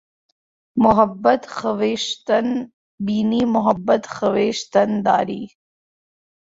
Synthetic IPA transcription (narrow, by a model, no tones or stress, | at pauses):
mʊɦɐbɐt̪xɐweʃt̪n | biːnimʊɦɐbːɐt̪xɐweːʃt̪ɐnd̪a̰ːɾiː